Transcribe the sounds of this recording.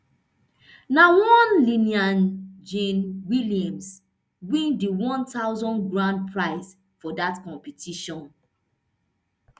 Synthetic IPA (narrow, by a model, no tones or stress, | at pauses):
nawɔ̃nliniãnd͡ʒẽnwiliãms | wĩndiwɔ̃ntaʊzɔ̃nɡɹãnd̚pʰɹaɪs | fɔdatkɔ̃mpitʰiʃɔ̃n